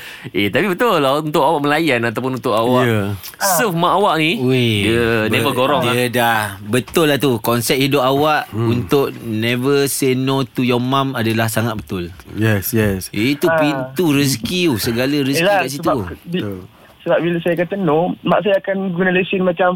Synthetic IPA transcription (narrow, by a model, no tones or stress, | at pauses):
et̪apibət̪ʊlːaunt̪ʊʔawaʔməlajanat̪awp̬ʊnunt̪ʊʔawwaə | səfmãʔawaʔnieənevəɡoɾɔŋdədahbət̪ʊlːat̪ukɔnsɛt̪hidʊpawaʔunt̪ʊʔnɛ̃vəsenõt̪ujɔmamadalahsaŋat̪̚bət̪ʊljɛsjɛsit̪upint̪uɾis̬kiusəɡaləɾiskikaʔs̬iai | səbap̚biləsajakat̪ənɔmaʔs̬ajaːkanɡunaləsɪnmat͡ʃam